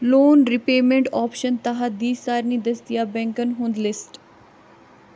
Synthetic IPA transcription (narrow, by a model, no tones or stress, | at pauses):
loːnɾɪpeːmẽɳʈɔːpʃənt̪aɦad̪iːsaːɾnĩːd̪əsd̪ɪjaːbɛ̃ŋkənɦũːnd̪lɪsʈ